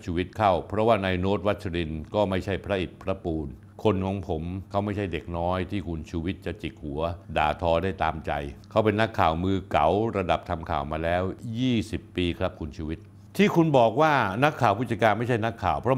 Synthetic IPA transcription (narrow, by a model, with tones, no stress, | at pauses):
t͡ɕʰuː˧wi˦˥t̪̚kʰa˥˩wpʰɾɔ˦˥waː˥˩na˧jnoː˦˥t̪̚wa˦˥t̪̚t͡ɕʰa˧ɾi˧nkɔː˥˩ma˥˩jt͡ɕʰa˥˩jpʰɾa˦˥ʔi˨˩t̪̚pʰɾa˦˥puː˧n | kʰo˧nkʰɔː˩˦ŋpʰo˩˦mkʰa˦˥wma˥˩jt͡ɕʰa˥˩jde˨˩k̚nɔː˦˥jt̪ʰiː˥˩kʰu˧nt͡ɕʰuː˧wi˦˥t̪̚t͡ɕa˨˩t͡ɕi˨˩k̚hu˨˩˦ɐda̰ː˨˧t̪ʰɔː˧daː˥˩jt̪aː˧mt͡ɕa̰˧jkʰa˦˥wpe˧nːa˦˥kʰːaː˨˩wmɯː˧ka˩˦wɾa˧da˨˩p̚t̪ʰa˧mkʰaː˨˩wmaː˧lɛː˦˥wjiː˥˩si˨˩pːiː˧kʰɾa˦˥p̚kʰu˧nt͡ɕʰuː˧wi˦˥t̪̚ | t̪ʰiː˥˩kʰu˧nbɔː˨˩k̚waː˥˩na˦˥kʰːaː˨˩wpʰu˥˩t͡ɕa˧kaː˧nma˥˩jt͡ɕʰa˥˩jna˦˥kʰːaː˨˩wpʰɾɔ˦˥